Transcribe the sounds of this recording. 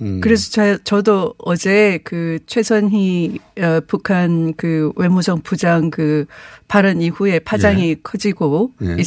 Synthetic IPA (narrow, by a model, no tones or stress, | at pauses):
kɯɾe̞sʰʌt͡ɕat͡ɕʌdoʌd͡ʑe̞kɯt͡ɕʰwe̞sʰʌnɦiʌpukʰankɯwe̞musʌŋpud͡ʑaŋkɯpaɾɯnihue̞pʰad͡ʑaŋikʰʌd͡ʑiɡoi